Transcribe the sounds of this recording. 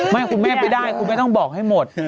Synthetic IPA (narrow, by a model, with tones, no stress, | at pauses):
ma˦˥˩jkʰu˧nmɛː˥˩pa˧˩jdaː˥˩jkʰuː˧ma˥˩jt̪ɔ˥˩ŋbɔː˨˩k̚ha˥˩jmo˨˩t̪̚